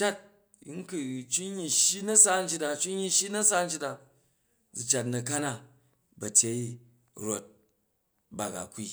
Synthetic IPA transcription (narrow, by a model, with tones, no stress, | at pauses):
t͡ʃa˦t̚ | ŋ̩˦kɨ˨t͡ʃu˦ɲːi˨ʃji˦nɐ˦sa˦n̩˦t͡ʃi˦ta˧t͡ʃu˦ɲːi˧ʃi˦nɐ˦sa˦n̩˦t͡ʃi˦ta˨ | d͡zi˨t͡ʃa˨t̬nɐ˨ka˦na˦˨ | bɐ˨tʲe˦i˦ | ɾo˨t̚ | ba˨ɡa̰˨kʷːi˦